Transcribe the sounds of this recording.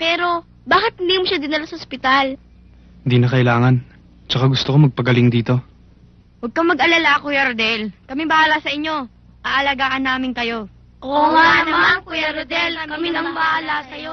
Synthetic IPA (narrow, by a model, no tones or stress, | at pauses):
pɛːɾo̞ | baːkɪt̪̚limʃad̪ɪnɪlasɐospɪt̪al | nd̪inɐkɐʔɪlaːŋɐn | t͡ʃɐkaɡʊst̪okomɐɡ̚pɐɡɐlɪŋd̪iːt̪o̞ | wɐɡ̚kɐmɐɡʔɐlalaɐkojɐɾod̪ɛlkɐmɪbɐʔaːlasɐʔɪɲːo̞ | ʔaʔɐlaɡaːʔɐnaːmɪŋkɐjo̞ | ʔoŋanɐmakjaɾd̪ɛlkɐmɪlɐŋbɐʔaːlasɐjo